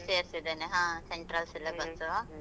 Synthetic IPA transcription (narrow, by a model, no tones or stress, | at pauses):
sieɾsid̪eneɦãːseɳʈɾaːlsilːɐɡɐt͡sːu